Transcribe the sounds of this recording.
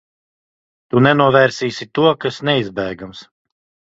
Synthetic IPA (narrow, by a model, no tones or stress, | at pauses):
t̪unɛnuɔvɛɾsiːsit̪uɔkasnɛizbɛːɡams